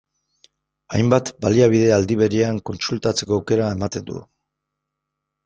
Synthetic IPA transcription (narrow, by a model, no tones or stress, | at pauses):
ajmbat̪baliaβ̞iðe̞ald̪iβ̞e̞ɾiaŋko̞nsult̪at͡se̞ko̞wke̞ɾae̞mat̪e̞nd̪ṵ